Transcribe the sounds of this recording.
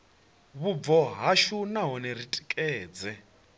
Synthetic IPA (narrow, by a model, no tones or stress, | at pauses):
βuvɔɦaʃunaɦɔnɛɾitʼi̥kʼɛːd͡zɛ